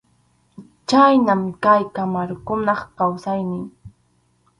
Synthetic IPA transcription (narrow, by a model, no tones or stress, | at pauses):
t͡ʃajnamkajkamaɾkʊnɑχkawsajnɪ